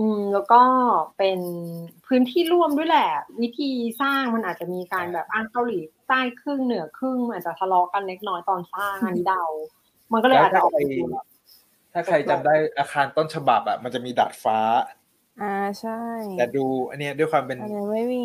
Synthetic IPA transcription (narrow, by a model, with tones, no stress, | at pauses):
ʔɯː˧mlɛː˦˥wkɔː˥˩pe˧npʰɯː˦˥nt̪ʰiː˥˩ɾu˥˩əmdu˥˩˨jlɛː˨˩wi˦˥t̪ʰiː˧saː˥˩ŋma˧nʔaː˨˩t̪̚t͡ɕa˨˩miː˧kaː˧nbɛː˨˩p̚ʔaː˧˩ŋka˧wliː˩˦t̪aː˥˩jkʰɯ˥˩ŋnɯ˨˩˦ɐkʰɯ˥˩ŋʔaː˨˩t̪̚t͡ɕa˨˩t̪ʰa˧lɔː˦˥ka˧nːe˦˥t̪̚nɔː˦˥jt̪ɔː˧nsaː˥˩ŋʔʔa˧nːiː˦˥da˧w | ma˧nkɔ˥˩ɤː˧a˨˩t̚t͡ɕa˥aː˨˧˨ | t̪ʰaː˥˩kʰa˧jt͡ɕa˧mdaː˥˩jʔaː˧xaː˧nt̪o˥˩nt͡ɕʰa˧ba˨˩p̚ʔa̰˨˩ma˧nt͡ɕa˨˩miː˧da̰ː˨˩t̪̚faː˦˥ | ʔaː˧t͡ɕʰa˥˩jjt̪ɛː˨˩duː˧ʔa˧nːi˦˥ɐ˦du˥˩əjkʰwaː˧mpe˧n˧a˥˩i˧